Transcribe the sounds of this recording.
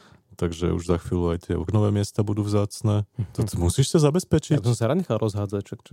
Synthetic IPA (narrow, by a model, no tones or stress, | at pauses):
t̪aɡʒɛ̰ṵʒzaxʋiːluajt̪ɪɛɔ̰knɔʋɛːmɪɛst̪aːbud̪uːvzaːt͡snɛːt̪ɔt̪ɔmusiːʃsazabɛspɛt͡ʃiabisɔ̃msaɾaɲɛxalˠɾɔzɦaːd͡zacʃakt͡ʃ